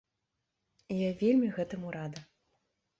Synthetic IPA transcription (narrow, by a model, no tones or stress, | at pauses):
ijavʲelʲmʲiɣɛt̪ɨmuɾad̪ɐ